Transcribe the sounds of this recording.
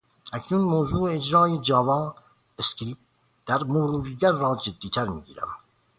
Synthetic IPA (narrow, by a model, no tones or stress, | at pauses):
ʔæcʰnunmoːzuːed͡ʒɾɑːjed͡ʒɒːvɑː | eskɾiːp̚ | d̪̥æɾmoɾuːɾiːɡæɾːɒːd͡ʒed̪ːiːt̪ʰæɾmḭːɟiːɾæ̰m